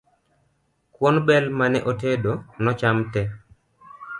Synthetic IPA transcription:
kwɔnbɛlmanɛʔotedonɔt͡ʃamtɛ

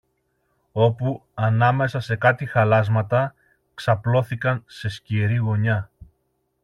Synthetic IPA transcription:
o̞puɐnɐme̞sɐse̞kɐt̪ixɐlɐzmɐt̪ɐ | ksɐplo̞θikɐnse̞sciɾiɣo̞ɲɐ

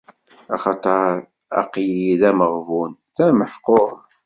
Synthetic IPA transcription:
ɑχɑt̪ˤɑɾ | ɑ̰qjiðæməʁvunθæməħqoɾ

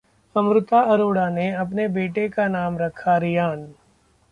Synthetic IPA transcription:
ɐmɾʊt̪aɐɾoːɽaneɐpnebeːʈekanaːmɾɐkʰaɾɪjaːn

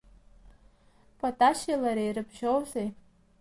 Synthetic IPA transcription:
pʰʼatʼaʃilaɾejɾɨbʒowzej

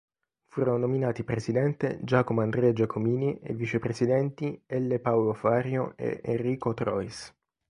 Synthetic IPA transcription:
fuːɾononominaːt̪ipɾesid̪ɛnt̪ed͡ʒaːkomoand̪ɾɛːd͡ʒakʰomiːniʔḛvːit͡ʃepɾesid̪ɛnt̪iɛlːepawlofaːɾjoʔḛʔḛrːiːkot̪ɾɔ̰is

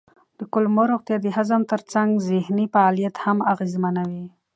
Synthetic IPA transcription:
d̪̥əkʊlmoɾoɣt̪jɑd̪əhazəmt̪əɾt͡saŋɡzɪhnifaɑlijat̪hamaɣezmanawi

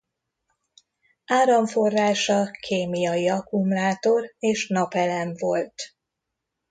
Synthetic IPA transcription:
aːɾɒɱfo̞rːaːʃɒkʰeːmijɒjiɒkumlaːt̪o̞reːʃnɒpɛlɛɱvo̞lt̪

